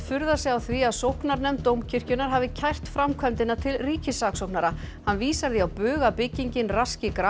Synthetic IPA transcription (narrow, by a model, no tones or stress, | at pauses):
fʏɾðasɛɣawθviaðsowhknaɾnɛmt̪owmcʰɪr̥cʏnaɾ̥ɦaːvðɪcʰajr̥t̪fɾamkʰvɛmt̪ɪnat̪ʰɪlriːcɪsaksowknaɾa | hanviːsaɾðiawpʏːɣapɪcːiɲcɪnrascɪkɾa